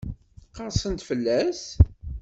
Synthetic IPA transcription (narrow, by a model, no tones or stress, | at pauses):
θqːəɾˤsənt̪fəlːæs